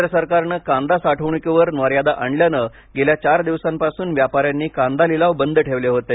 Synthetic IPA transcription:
ɾəsəɾkaɾnəkãnd̪asaʈʰəʋɳəkeʋəɾnʋəɾjad̪aʔaɳljanə | ɡeljat͡ɕaɾd̪iʋsampasuːnʋjapaɾjanːiːkãnd̪alilaʋbənd̪ʱəʈʰeʋleɦot̪e

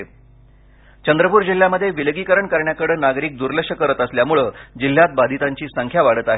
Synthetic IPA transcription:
t͡ɕənd̪ɾəpuːɾd͡ʑil̤ːjaməd̪ʱːjeʋilɡikəɾəɳkaɾɳjakəɽəːnaɡɾiːk̚d̪uɾlekʂəkəɾət̪əsljamuɭəːd͡ʑil̤ːjat̪̚bad̪ʱit̪aɲt͡ɕiːsəŋkʰjaʋaɽət̪aɦe

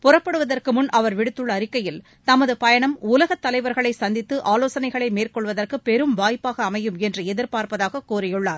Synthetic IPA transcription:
pʊrɐpːɐɽɯʋɐðɐrkɯmʊnʔɐʋɐɾʋɪɽɯt̪ːɯɭːɐːɾɪkːɐjɪl | t̪ɐmɐðɯpɐjɐɳɐmuːlɐɣɐt̪ːɐlɐɪʋɐɾɣɐɭɐɪsɐnd̪ɪt̪ːɯʔaːloːsɐnɐɪɣɐɭɐɪmeːrkɔɭʋɐðɐrkɯpɛɾɯmʋaːjpːaːɣɐːmɐjɯmɛndrɯɛðɪɾpaːɾpɐðaːɣɐkuːɾɐjɯɭːaːɾ

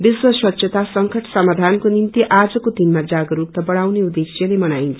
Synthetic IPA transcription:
biswʌswʌt̪ːsʰjʌt̪asʌŋkʌʈʰsʌmad̪ʱankonimt̪iʔad͡zʌkod̪inmad͡zaɡʌɾut̪ʌbʌɽawneud̪esjʌlemʌnajnt͡sʰʌ̥

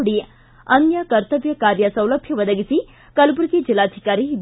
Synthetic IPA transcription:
ɽiː | ɐnjɐkɐɾt̪əʋjɐkaɾjəsə̃wləbʱjɐʋəd̪əɡisi | kəlup̬ɾut̪id͡ʒilad̪ʱikaɾid̪

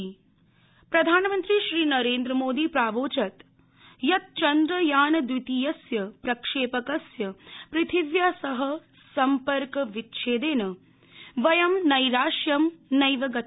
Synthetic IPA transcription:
pɾɐd̪ʱaːnɐmɐnt̪ɾiʃɾiːnɐɾeːnd̪ɾɐmoːd̪iːpɾaːʋoːt͡ʃɐt̪ | jɐt̪̚t͡ʃɐnd̪ɾɐjaːnɐd̪ʋit̪ijɐsjɐpɾɐkʂeːpɐkɐsjɐpɾɪt̪ʰiʋjasɐɦɐ | sɐmpɐɾkɐʋit̪ʃʰeːd̪eːnɐ | ʋɐjɐmnɐjɾaːʃjɐmnɐjʋɐɡɐt̪

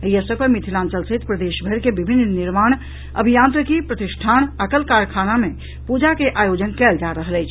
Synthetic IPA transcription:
əjəsəɡpemit̪ʰilãnt͡ʃəlset̪pɾəd̪eʃbʱəɾkebibʱinːniɾmaːɽ̃ | ə̰bʱijãnt̪ɾəkipɾət̪iʃʈʰañəkəlkaɾkʰanamẽ | pud͡ʒakeʔajod͡ʒənkɛld͡ʒaɾəɦələjt͡ʃʰ

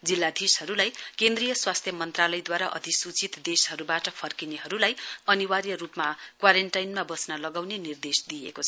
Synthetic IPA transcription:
d͡zilːad̪ʱishʌɾulajkẽnd̪rijʌswast̪ʰjʌmʌnt̪ralʌjd̪waɾaʔʌ̰t̪isut͡sit̪d̪esɦʌɾubaʈʌpʰʌrkineɦʌɾulajʌniwarjʌrupmakwaɾenʈajnmabʌsnʌlʌɡawnenird̪esd̪ijḛkot͡sʰʌ

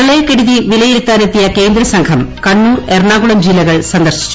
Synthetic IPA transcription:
ɐɭeːkeɽuðiʋilɐjiɾut̪ːaːne̞t̪ːijɐke̞ːnd̪ɾɐsɐŋkʰɐmkɐɳːuːrerɳaːɡuɭɐmd͡ʑilːɐɣɐɭsɐnd̪ɐrʂi̥t͡ɕːu

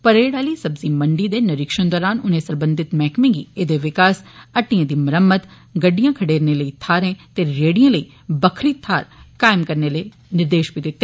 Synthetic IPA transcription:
pɐɾeːɽaːlisɐbzimɐ̃ɳɖid̪enɐɾɪkʃənd̪ɔːɾaːnʊnɦẽsɐ̃ɾbə̃nd̪ʱɪt̪mɛːkmẽɡied̪eʋɪkaːsɐʈːijãd̪imɐɾəmːət̪ | ɡɐɖːijãːkʰɐɽeːɾneləit̪ʰaːɾẽt̪eɾeːɽijãləi | bɐkʰɾit̪ʰaːɾkaːɪmkɐɾnelee | nɪɾd̪eːʃbʱid̪ɪt̪ːeː

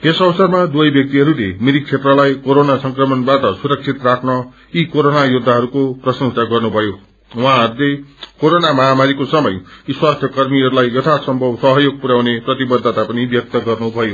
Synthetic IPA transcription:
t̪esʌbʌsʌrmad̪uʌjbjʌk̚t̪iɦʌɾulemiɾik̚t͡sʰeʈrʌlajkoɾonasʌŋkrʌmʌnbaʈʌsuɾʌk̚t͡sʰit̪rakʰnʌ | ikoɾonajud̪ʱːaɦʌɾukoprʌsʌ̃ŋsaɡʌrnubʱʌjo | wʌɦãɦʌɾulekoɾonamaɦamaɾikosʌmʌjiswast̪ʰjʌkʌrmiɦʌɾulajːʌt̪ʰasʌmbʱʌbsʌɦʌjoɡ̚puɾaw̃neprʌt̪ibʌd̪ʱːʌt̪apʌnibjʌk̚t̪ʌɡʌrnubʱʌjo

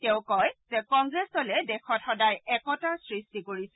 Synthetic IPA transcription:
tɛʊ̃kɔjzɛkɔŋɡɹɛstɔlɛdɛxʰɔt̚xɔdajɛkɔtasɹistikoɹisɛ

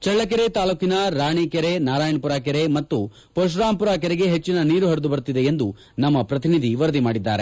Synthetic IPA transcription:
t͡ʃɐɭːɐk̬ɛɾet̪aːluːkinɐɾaːɳikeɾenaːɾaːjɐɳpuɾaːk̬ɛɾemɐt̪ːu | poʃ̬ɾaːmpuɾaːk̬ɛɾeɡe̞ɦet͡ʃːinɐniːɾuɦɐɾud̪ubɐɾut̪id̪e̞end̪u | nɐmːɐpɾɐt̪inid̪ʱiʋɐɾɐd̪imaːɽid̪ːa̰ːɾḛ

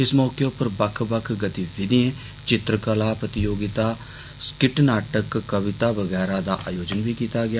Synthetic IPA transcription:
ɪsmɔːkeʊpːəɾbəkʰbəkʰɡət̪iːʋɪd̪iẽː | t͡ʃɪt̪ɾəkəlaːpət̪ɪjoːɡɪt̪aː | skɪʈnaːʈəkːəʋɪt̪aːʋəɡɛːɾaːd̪aːʔaːjoːd͡ʒənʋiːkiːt̪aːɡɪaː

